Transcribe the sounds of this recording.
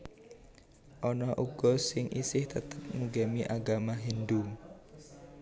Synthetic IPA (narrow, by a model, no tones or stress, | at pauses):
ʔɔnɔʔuɡ̥ɔ̤sɪŋʔisɪht̪ət̪əp̚ŋuɡemiʔaɡamaɦindu